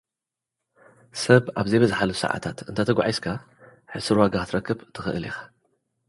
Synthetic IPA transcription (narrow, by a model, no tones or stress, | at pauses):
sɐbʔaβzejbɐzħalusɨ̰ʕa̰t̪ʰat̪ɨnt̪ʰat̪ʰɐɡʷʕajskʰa | ħɨsɨɾwaɡat̪ɾɐkʰːɨbt̪ʰɨxɨ̰ʔɨlixḁ